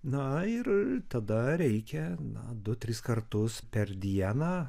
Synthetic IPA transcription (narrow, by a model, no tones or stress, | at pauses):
nɐɪɾt̪ɐd̪ɐɾʲɛɪkʲɛnɐ̰d̪ʊt̪ʲɾʲɪskɐrt̪ʊspʲɛɾd̪ʲiɛnɑː